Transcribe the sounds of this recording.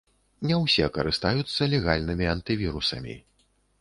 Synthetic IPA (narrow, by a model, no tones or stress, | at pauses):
nʲɛwsʲɛkɐɾɨst̪ajut̪sːɐlʲɛɣalʲnɨmʲiɐnt̪ɨvʲiɾusɐ̰mʲḭ